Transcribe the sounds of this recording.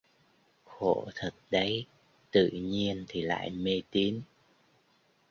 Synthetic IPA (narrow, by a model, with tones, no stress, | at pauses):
xo̰˧˨t̪ʰə˨˩t̚ɗə˨˦j | t̪ɨ̰˧˨ɲi˧ənt̪ʰi˨˩la̰ː˧˨jme˧t̪i˨˦n